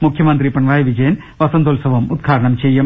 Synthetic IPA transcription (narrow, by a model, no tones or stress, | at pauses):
mukʰjɐmɐnt̪ɾipɐɳʋaːjʋid͡ʒɐjɐn | ʋɐsɐnt̪oːlsɐʋɐmud̪̚ɡʰʱaːɾɐɳɐmt͡ʃejːɐm